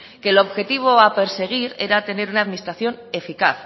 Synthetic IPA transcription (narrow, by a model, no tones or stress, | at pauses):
ke̞lo̞βxe̞t̪iβ̞o̞ape̞ɾse̞ɣ̞iɾe̞̰ɾat̪e̞ne̞ɾunaðminist̪ɾaθjo̞ne̞fikaθ